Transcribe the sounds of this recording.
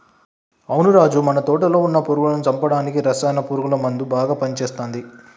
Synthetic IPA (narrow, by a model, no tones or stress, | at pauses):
ɐwnuɾaːd͡ʒumɐnɐt̪oːʈɐlo̞ːunːɐpuːɾuɡulɐnut͡ʃɐmpɐɽaːnikiɾɐsɛːnɐpuːɾuɡulɐmɐnd̪ubaːɡaːpɐnit͡ʃeːst̪aːnd̪i